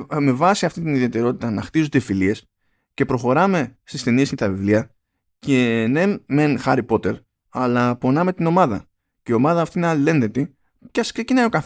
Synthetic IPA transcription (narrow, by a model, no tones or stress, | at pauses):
me̞vɐsiɐft̪int̪iniðie̞t̪e̞ɾo̞t̪i̥t̪ɐnɐxt̪izod̪efilie̞s | ce̞pɾo̞xo̞ɾɐme̞st̪ist̪e̞niescet̪ɐvivliɐ | ce̞nemenxɐɾipo̞t̪e̞ɾ | ɐlɐpo̞nɐme̞t̪ino̞mɐðɐ̰ | ceio̞mɐðɐːft̪ineɐlle̞nðe̞t̪i | ceɐskse̞cinɐjo̞kɐθ